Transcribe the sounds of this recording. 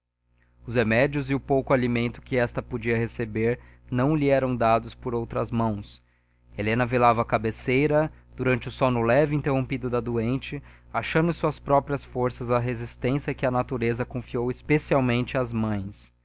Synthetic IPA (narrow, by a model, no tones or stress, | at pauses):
ʊzhemɛd͡ʒiʊzɪʊpowkʊalimẽnt̪ʊ̥kɪɛst̪ɐpod͡ʒiɐhesebeɾnɐ̃w̃liɛɾɐ̃w̃d̪ad̪ʊspoɾowt̪ɾɐzmɐ̃w̃s | elẽnɐvelavɐːkabesejɾɐd̪̥uɾɐ̃nt͡ʃɪʊsõnʊlɛvɪĩnt̪eɦõpid̪ʊd̪ɐd̪uẽnt͡ʃɪaʃɐ̃nd̪ʊsuɐspɾɔpɾiɐsfoɾsɐzɐɦezist̪ẽsijɐkɪɐnat̪uɾezɐkõfiowɪspesiawmẽnt͡ʃɪazmɐ̃j̃s